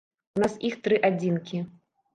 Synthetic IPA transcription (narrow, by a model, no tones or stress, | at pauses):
unasixt̪ɾɨʔad͡zʲinkʲi